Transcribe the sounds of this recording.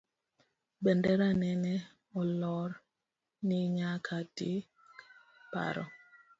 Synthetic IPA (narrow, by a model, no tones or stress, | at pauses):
bɛndɛɾanɛnɛ | ɔlɔɾ | niɲakʰatɪ | pa̰ɾɔ̰